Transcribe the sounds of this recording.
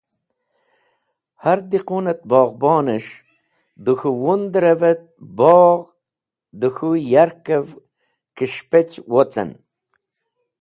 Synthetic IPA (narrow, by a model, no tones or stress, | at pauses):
haɾd̪iqunɐt̪̚bɑːʁbɑːnəʂ | d̪uxuwund̪ɾɐvet̪̚bɔːʁ | d̪uxujaɾkəv | kiʂpet͡ɕwot͡sa̰n